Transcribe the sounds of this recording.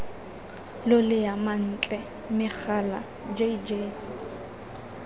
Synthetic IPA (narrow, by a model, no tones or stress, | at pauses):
lʊlɪjaman̩t͡ɬʼɛ | mɪk͡xʰala̰ | d͡ʒeid͡ʒeː